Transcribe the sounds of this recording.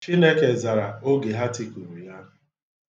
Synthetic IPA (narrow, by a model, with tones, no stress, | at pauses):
t͡ʃi˦ne˦ke˨za˨ɾa˨o˦ɡe˨ɦa˦ti˦ku˨ɾu˨ja˦˨